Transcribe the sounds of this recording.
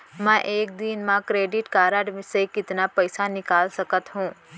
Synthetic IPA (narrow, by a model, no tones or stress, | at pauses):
mɛ̃ʔeːkd̪inmãkɾeːɖɪʈkaːɾaːɖmisekɪt̪napɛɪsanɪkaːlsɐkət̪ɦũː